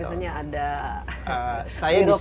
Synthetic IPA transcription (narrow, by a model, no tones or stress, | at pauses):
iaɲaːda | əsajad